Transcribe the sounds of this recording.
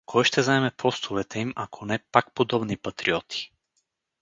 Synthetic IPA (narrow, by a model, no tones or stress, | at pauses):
kʰɔjʃt̪ɛzaɛmɛpʰɔst̪ʰuvɛt̪ɛimakʰonɛpak̚pod̪ɔbnipat̪ɾiɔt̪ʰi̥